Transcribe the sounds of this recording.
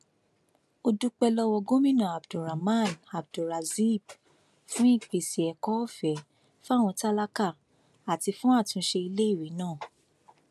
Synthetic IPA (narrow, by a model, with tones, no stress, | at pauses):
o˧du˦k͡pɛ˧lɔ˧wɔ˧ɡo˦mĩ˦˨nã˨a˨bdo˨ɾa˨mã˦˨na˨b̚do˨ɾa˨zi˦˨b | fũ˦i˦˨k͡pe˨si˨ɛ˨kɔ˨˦ɔ˦˨fɛ˨˦ | fa˦˨w̃ɔ̃˧ta˦la˦ka˦˨ | a˨ti˧fũ˦a˦˨tũ˧ʃe˧i˧le˦i˦˨ɾi˨˦nãː˦˨